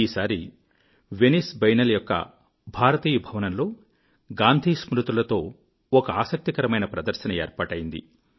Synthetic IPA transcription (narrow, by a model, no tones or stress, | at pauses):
iːsaːɾi | ʋenisbɐjnɐlɐjɔkːɐ̰ | bʱaːɾɐt̪iːjɐbʱɐʋɐnɐnlo̞ː | ɡaːnd̪ʱiːsmɾut̪ɾulɐt̪o̞ː | ɔkɐaːsɐk̚t̪ikɐɾɐmɐjnɐpɾɐd̪ɐɾʃɐnɐeːɾpaːʈɐjind̪ḭ